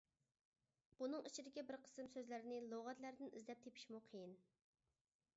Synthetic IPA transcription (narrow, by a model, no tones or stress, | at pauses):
b̥unɨŋit͡ʃʰid̪ɪkʲɛbɪɾqʰə̥sɨmsøzlæɾɪnɪlˠoʁɑt̪læɾd̪ɪnḭzlɛp̚t̪ʰepʰi̥ʃmuqʰejin